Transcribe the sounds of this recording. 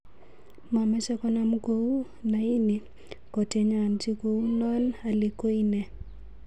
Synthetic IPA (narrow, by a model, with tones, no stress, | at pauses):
ma˨mɛ˦sɛ˦kɔ˦na˦mko˦u˦ | na˨i˦ni˨ | kɔ˨te˨ɲa˨nti˦ko˨u˦nɔ˦na˨li˨ko˦i˦nɛ˨